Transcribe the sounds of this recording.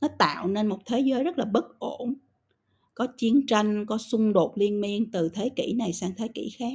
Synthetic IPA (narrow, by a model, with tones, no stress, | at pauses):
nɔ˨˦t̪a̰ː˧˨wne˧nmo˨˩t̚t̪ʰe˨˦zəː˨˦jzə˦˥t̚laː˨˩ɓə˦˥t̚ʔo˧˩n | kɔ˨˦t͡ɕi˨˦ənt͡ɕa˧jŋ̟kɔ˨˦sʊ˧ŋ͡mɗo˨˩t̚li˧ənmi˧ənt̪ɨ˨˩t̪ʰe˨˦kḭ˧˩˥na˨˩jsaː˧ŋt̪ʰe˨˦kḭ˧˩˥xaː˦˥k̚